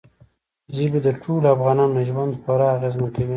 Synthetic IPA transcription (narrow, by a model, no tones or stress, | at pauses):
ʒəbid̪əʈʰolafɣɑnɑnnaʒwand̪pəɾɑːɣezmakawi